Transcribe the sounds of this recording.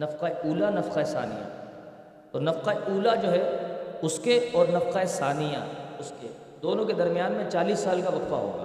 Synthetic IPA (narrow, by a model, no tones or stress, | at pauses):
nɐfqaeuːlanɐfqaesa̰ːnḭja̰ | ɔːɾnɐfqaeʔuːlad͡ʒoːɦɛʊskeɔːɾnɐfqaesaːnijã̰ʊske | d̪oːnõked̪ɐɾmijaːnmẽt͡ʃaːliːsːaːlkabɐkwaɦo̰ːɡa̰ː